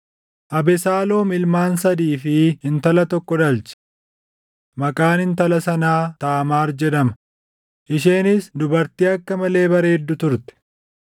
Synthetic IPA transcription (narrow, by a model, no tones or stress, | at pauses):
ʔɐbɛsaːlo̞ːmɪlmaːnsɐd̪iːfɪhɪnt̪ɐlɐt̪ɔkːɔd̪ɐlt͡ʃɛ̥ | mɐkʼaːnhɪnt̪ɐlɐsɐnaːt̪aːmaːɾd͡ʒɛd̪ɐmɐ̥ | ʔɪʃ̬eːnɪsd̪ʊbɐɾt̪iːɐkːɐmɐle̞ːbɐɾe̞ːd̪ːʊt̪ʊɾt̪ɛ̥